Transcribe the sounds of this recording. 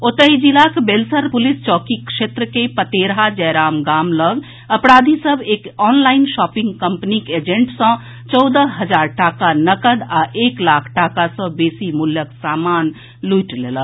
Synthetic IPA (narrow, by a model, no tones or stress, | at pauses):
ot̪əɦid͡ʒilakbelsəɾpulist͡ʃɔkikʃet̪ɾəkepət̪eɾɦad͡ʒɛɾamɡamləɡ | əpɾad̪ʱisəbʱekɔnlainʃɔpĩŋɡkəmpniked͡ʒẽɳʈsə̃ | t͡ʃɔwd̪əɦəd͡ʒaɾʈakanəkəd̪aʔeklakʰʈakasɔ̃besimuljəksaman | lujʈleləɡ